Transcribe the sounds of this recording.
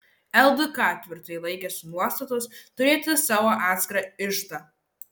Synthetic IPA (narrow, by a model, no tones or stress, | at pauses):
ɛlˠd̪ʊkɑːt̪ʲʋʲɪɾt̪ɐjlˠɐɪkʲɛsʊnuɔst̪ɐt̪ost̪ʊɾʲeːt̪ʲɪsɑːʋoːʔɑːt̪ʲsʲkʲɾɐɪʃt̪ɐ